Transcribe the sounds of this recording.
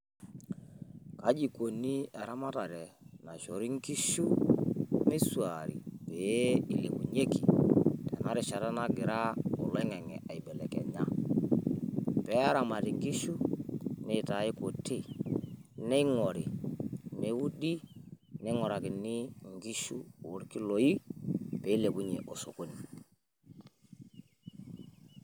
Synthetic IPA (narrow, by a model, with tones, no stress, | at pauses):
ka˨˦d͡ʒi˨ko˨ni˦a˨ɾa˦ma˦ta˨ɾɛ˨na˨ʃɔ˨ɾi˦ŋ˦ki˦ʃu˦ | me˦swa˨ɾḭ˨pe˨˦i˨le˨kṵ˨ɲe˦ki˨tɛ˨na˦ɾɪ˨ʃa˨ɾa˦na˦ɡɪ˨ɾa˦ɔ˨lɛ˦ŋɛ˨ŋɛ̰˨a˨i˨bɛ˨lɛ̰˨kɛ̰˨ɲa˦ | pɛ˨˦a˦ɾa˨ma˨ti˨ŋɡi˦ʃu˦ne˦˨ta˨i˦ku˨ti˦˨ | nɛ˦ŋɔ˨ɾi˨ne˨˦u˦di˦nɛ˦ŋɔ˨ɾa˨kɪ˨ni˦ŋɡi˦ʃu˦˨wu˦ɾki˦lo˨ji˦pe˨˦i˦le˨ku˦ɲe˨ʔo˨so˨ko˦ni˨